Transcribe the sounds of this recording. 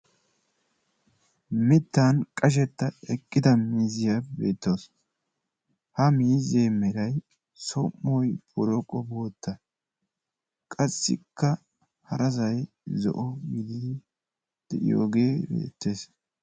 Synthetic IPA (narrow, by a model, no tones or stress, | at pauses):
mɪt̪ːankʼɐʃ̬ɛt̪ːɐɛkʼːɪd̪ɐmiːzɪjɐbe̞̰ːt̪ːoːs | hɐmiːzeːmɛɾɐj | sɔmːɔjbɔɾɔkʼɔboːt̪ːɐ | kʼɐsːɪ̰kːɐ | hɐɾʔɐzɐj | zɔ̰ʔɔɡɪd̪ɪd̪ɪ | d̪̥ɛʔɪ̰jo̰ːɡeːbḛːt̪ːe̞ːs